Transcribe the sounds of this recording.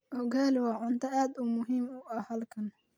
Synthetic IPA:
hɔɡaːlɪwɑːʕʊnt̪ʰɐaːd̪ʊmʊɦiːmʊʔɐhɐlkʰɐn

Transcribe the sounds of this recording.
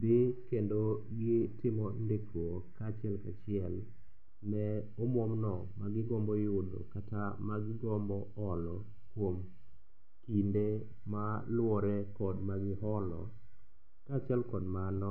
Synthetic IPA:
bɪkendo | ɡɪtɪmɔndekɾwokat͡ʃɛlkat͡ʃɪɛl | mɛ | ɔmwɔmnɔ | maɡɪɡɔmbɔjʊdo̰katamaɡɪɡɔmbɔɔlɔ | kwom | kinde | malwɔɾɛkɔdmaɡɪɦɔlɔ̰ | kat͡ʃɪɛlkɔdmanɔ

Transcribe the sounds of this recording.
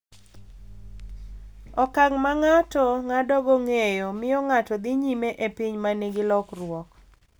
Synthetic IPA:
ɔkaŋmaŋatɔŋadɔɡɔŋejɔmɪɔŋatɔd̪ɪɲimeʔepiɲmaneɡɪlɔkrwɔk

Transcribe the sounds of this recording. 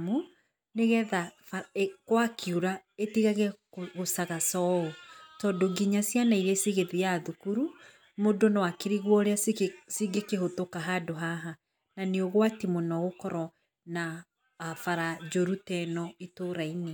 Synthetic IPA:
mu | neɣɛðafaekwakiuɾaetiɣaɣɛɣosaɣasɔotɔdoɡiɲasjanaiɾesiɣeðiaðukuɾu | modonɔwakeɾiɣwɔɾeassiɡekehotokaɦadoɦaɦa | naneoɣwatimonɔɣokɔɾɔ | naː | faɾad͡ʒoɾutɛnɔitoɾaine

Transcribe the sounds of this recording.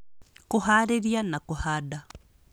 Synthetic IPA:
kʊɦaɾeɾjanakʊhada

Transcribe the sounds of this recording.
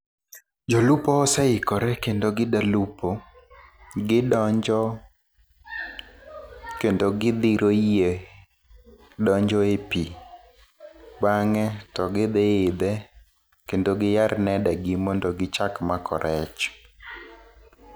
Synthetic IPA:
d͡ʒolupɔːsɛɪkɔɾɛkendoɡɪdalupo | ɡɪdɔɲd͡ʒɔ | kendoɡɪd̪iɾʔoije | dɔɲd͡ʒɔepi | baŋɛtɔɡɪd̪eɪd̪ɛ | kendoɡɪjarnɛdɛɡɪmɔndɔɡɪt͡ʃakmakɔ̰ɾʔɛt͡ʃ

